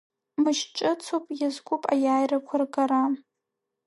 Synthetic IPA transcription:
mɨʃʈ͡ʂʼɨt͡sʰopʼjazɡʷʊpʼa̰jaːjrakʷʰarɡaɾa

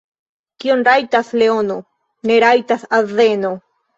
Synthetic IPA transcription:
kionɾajtasleono | neɾajtasazeno

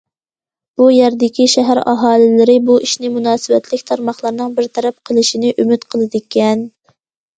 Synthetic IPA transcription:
b̥ujɛɾd̪ɪkʲʰiʃæɦæɾɑ̰ɦɑːlˠɪlɪɾɪbuʔiʃnɪmunɑːsɨbɛt̪ʰlɪkʲt̪ʰɑɾmɑχlˠɑɾnɨŋbɪɾt̪ʰɛɾɛp̚qʰəlˠɨʃinɪʔymyt̪qʰəlˠɨd̪ɪkʲʰːɛn

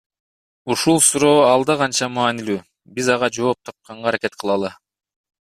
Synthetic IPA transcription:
uʃulˠsuɾo̞ːɑlˠd̪ɑʁɑnt͡ʃɑmaːnilyː | bizɑʁɑd͡ʒo̞ːp̚t̪ʰɑp̚qɑɴʁɑːɾake̞t̪̚qʰɯlˠɑlˠɯ

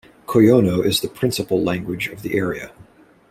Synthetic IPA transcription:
kʰojoʊ̃noʊʔɨzðɨpʰɹ̥ɪ̃nsəpl̩ˠlæ̃ŋɡwɨd͡ʒʌvðiʔɛɹiɨ̰

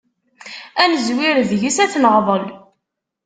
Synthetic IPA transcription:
ænəzwiɾðʝisæθnəʁðˤəl

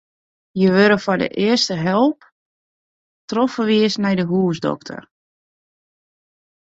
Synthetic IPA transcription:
jəʋøɾəfɔdə̰ʔɪərstəɦɛlˠp | trofəʋiəsnɛjdəɦuəsdɔ̰ktʰə̰r

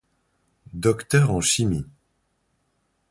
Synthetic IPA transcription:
d̪ɔkt̪œʁɑ̃ʃimi

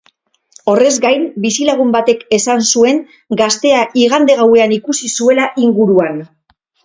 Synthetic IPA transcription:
o̞re̞zɡajnbisilaɣ̞umbat̪e̞ke̞sansue̞ŋ | ɡast̪e̞aʔiɣ̞and̪e̞ɣ̞awe̞anikusisue̞laʔiŋɡuɾuan

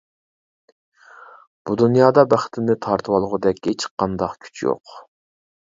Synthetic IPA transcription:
b̥ud̪unjɑːd̪ɑbæχt̪ʰɪmnɪt̪ʰɑɾt̪ʰɨwɑlˠəʁʊd̪ɛkʲːet͡ʃqʰɑnd̪ɑqkʲʰy̥t͡ʃʰjo̰q

